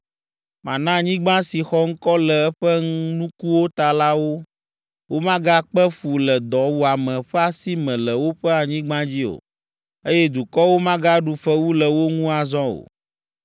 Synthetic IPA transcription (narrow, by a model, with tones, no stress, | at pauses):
mã̰˨nã˦ɲĩ˦ɡ͡bã˦si˨xɔ˦ŋ̩˦kɔ˦lɛ˨ɛ˦ɸɛ˦ŋũ˦nũ˦ku˦wo˦t̪a˨la˦wo˦ | wo˦mã˦ɡa˦k͡pɛ˦fu˨lɛ˨d̪ɔ˨wu˦a˨mɛ̃˨ɸɛ˦a˨si˦mɛ̃˨lɛ˨wo˦ɸɛ˦a˨ɲĩ˦ɡ͡bã˦d͡ʑi˦o̰˨ | e˦jɛ˦d̪u˨kɔ˦wo˦mã˦ɡa˦ɖu˨fɛ˦wu˦lɛ˨wo˦ŋũ˦a˨zɔ̃˦o̰˨